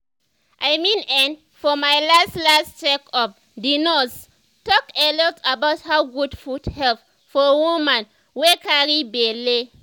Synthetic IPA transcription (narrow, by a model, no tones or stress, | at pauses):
ʔajmĩnɛ̃n | fɔmajlastlastt͡ʃɛkɔf | dinɔs | tɔkelɔtʰabaʊthaɡudfudhɛlp | fɔwumãn | wekaɹibele